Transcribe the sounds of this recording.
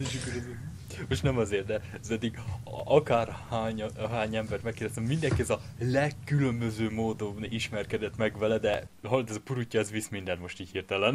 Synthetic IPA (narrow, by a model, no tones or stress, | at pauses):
eːʃɒkːoɾɛz | mo̞ʃt̪nɛmɒzeːrt̪d̪ɛzɛd̪ːiɡɒkaːrhaːɲɦaːɲɛmbɛrt̪mɛkːerd̪ɛst̪ɛmmind̪ɛŋkiɛzɒ | lɛkːylø̞mbø̞zøːmoːd̪oniʃmɛrkɛd̪ɛt̪mɛɡʋɛlɛd̪ɛɦɒlot̪ɛzpuɾucːɒɛzʋismind̪ɛnmo̞ʃt̪iːchirt̪ɛlɛn